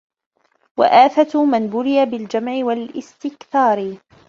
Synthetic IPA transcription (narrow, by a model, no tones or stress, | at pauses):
wa̰ʔaːθat̪manbʊɾɪjabɪld͡ʒamʕɪwalʔɪst̪ɪkθɑːɾ